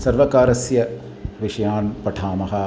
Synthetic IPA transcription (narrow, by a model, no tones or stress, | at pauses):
sɐɾʋɐkaːɾɐsjɐ | ʋɪʂɐjaːnpɐʈʰaːmɐɦɐ